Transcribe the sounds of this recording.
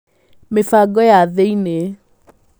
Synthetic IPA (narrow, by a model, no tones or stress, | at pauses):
mefaɡɔjaðeine